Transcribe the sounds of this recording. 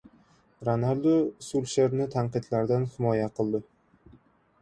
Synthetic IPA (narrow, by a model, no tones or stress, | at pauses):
ɾonald̪osʊlʃeɾnɪt̪ʰaɴqɨd̪laɾd̪anhɪmɒjaqʰɨlˠd̪ɪ